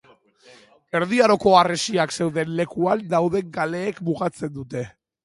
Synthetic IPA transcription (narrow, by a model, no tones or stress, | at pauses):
e̞ɾðiaɾo̞ko̞aresiakse̞wðe̞nle̞kuand̪awð̞e̞ŋɡale̞ːkmuɣat͡se̞nd̪ut̪e̞